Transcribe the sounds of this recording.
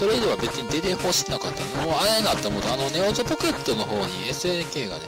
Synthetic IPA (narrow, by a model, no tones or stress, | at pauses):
so̞ɾeid̪e̞βabet͡sɨɲ̟id̪e̞t̪e̞ho̞ɕi̥t̪enakat̪ːa̰nmoːanenat̪ːemot̪oano̞neozopo̞ke̞t̪ːo̞no̞ɦo̞ːɲ̟ḭesɨeke̞ːɡa̰d̪e